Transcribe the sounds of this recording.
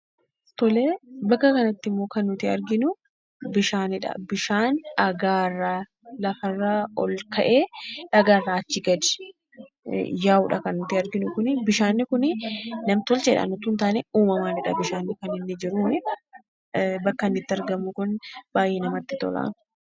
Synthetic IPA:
t̪ɔleːbɐkːɐkɐnɐt̪ːɪmːo̞ːkɐnːʊt̪ɪɐɾɡɪnʊ | bɪʃaːnɪᶑɐ̰bɪʃaːnɐɡaːrːa | lɐfɐrːaːɔlkʰɐʔeːᶑɐɡaːrːaːɐt͡ʃːɪɡɐd̪ɛ̥ | jaːʊᶑɐkɐnːʊt̪ɪɐɾɡɪnʊkʊnɪbɪʃaːnːɪkʊnɪnɐmt̪ɔlt͡ʃɛːᶑɐ̰nːʊt̪ʊnt̪aːnɛuːmɐmaːnɪᶑɐ̰bɪʃaːnːɪkɐnɪnːɪd͡ʒɪɾuːnɪ | bɐkːɐnːɪt̪ːɪɐɾɡɐmːʊkʊnb̥aːjʔeːnɐmɐt̪ːɪt̪ɔ̰la̰ːnʊ̥

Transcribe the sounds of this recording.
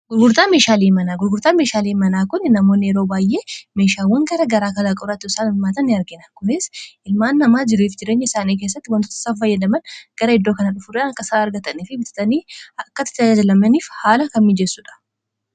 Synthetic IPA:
ɡʊɾɡʊɾt̪aːme̞ːʃaːliːmɐnaːɡʊɾɡʊɾt̪aːme̞ːʃaːliːmɐnaːkʊnːnɐmo̞ːnːɪɛɾo̞ːbaːjʔe̞ːme̞ːʃaːwɐŋɡɐɾɐɡɐɾaːkɐlaːkʼɔɾɐt̪ːɪsaːnɪlmaːt̪ɐnːɪɐɾɡɪnɐkʊnɪsʔɪlmaːnːɐmaːd͡ʒɪɾiːfd͡ʒɪɾe̞ːɲːɐɪsaːniːk̬e̞ːs̬ːɐt̪ːɪwɐnt̪oːt̪ɐ̥saːfɐjːɐd̪ɐmɐnɡ̥ɐɾɐɪd̪ːo̞ːkɐnɐᶑʊfʊɾɐnɐkːɐsaːɐɾɡɐt̪ɐniːfɪbɪt̪ɪ̥t̪ɐniːɐkːɐt̪ɪ̥t̪ːaad͡ʒɐlɐmɛniːfhaːlɐkɐnmɪd͡ʒɛsːʊᶑɐ̥

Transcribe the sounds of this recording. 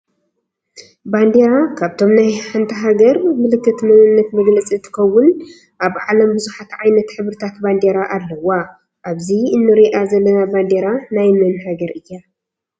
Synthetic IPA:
band̪eɾakʰaβt̪ʰo̞mnajħant̪ʰɐɦaɡɐɾmɨlɨkːɨt̪mɨnɨnːɐt̪mɐɡlɐt͡sʼizt̪ʰɨ̥kɐwːʊn | ʔaβʕalɐmbɨzuħat̪ʕajnɐt̪ħɨβɾɨt̪ʰat̪band̪eɾaʔalːɐwːa | ʔaβziɨnːɨɾiʔazɐlːɐnaband̪eɾanajmɨnɦaɡɐɾɨjːa

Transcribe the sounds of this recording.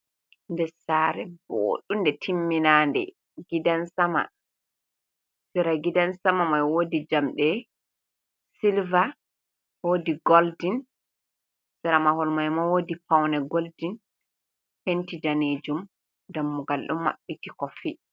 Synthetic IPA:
ndɛsaɾɛbo̰ɗundɛtʰimːinandɛ̰ | ɡidansama̰ | siɾaɡidansamamajwodid͡ʒamɗɛ | silva | wodiɡoldin | sɛɾamahɔlmajmawodipawnɛɡoldin | hentid͡ʒaned͡ʒum | damːuɡalɗṵmːa̰ɓːitikɔfi

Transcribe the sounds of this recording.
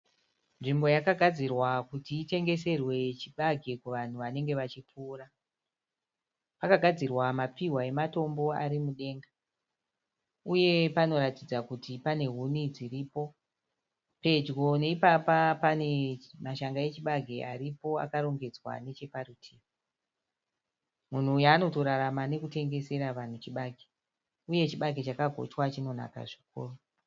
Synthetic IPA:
nʐimbo̞jakaɡʱad͡zirwakutiːte̞ŋɡe̞se̞rwe̞t͡ʃiɓaɡʱe̞kuʋan̤uʋane̞ŋɡe̞ʋat͡ʃip͡fuːra | pakaɡʱad͡zirwamapiɦwae̞mato̞mbo̞a̰ɾimuɗe̞ːŋɡa | uje̞pano̞ɾatid͡zakutipane̞ɦunid͡ziriːpo̞ | pe̞d͡ʒɡo̞ne̞ipapapane̞maʃaŋɡae̞t͡ʃiɓaɡʱeʔa̰ɾipo̞a̰kaɾo̞ŋɡe̞d͡zwa̰ne̞t͡ʃe̞paɾutʰiːra | mun̤uːjaːno̞to̞ɾaɾamane̞kute̞ŋɡe̞se̞ɾaʋan̤ut͡ʃiɓaɡʱe | uje̞t͡ʃiɓaɡʱet͡ʃakaɡʱo̞̰t͡ʃwat͡ʃino̞na̰ka̰ʐiko̰ːro

